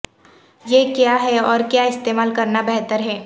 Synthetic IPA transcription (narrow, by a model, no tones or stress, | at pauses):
jeːkjaɦɛɔːɾkjaɪst̪eːmaːlkɐɾnabɛɦt̪əɾɦɛː